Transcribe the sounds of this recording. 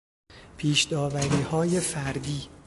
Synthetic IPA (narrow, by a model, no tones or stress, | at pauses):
pʰiːʃd̪̥ɒːvæɾiːhɒːje̞fæɾd̪iː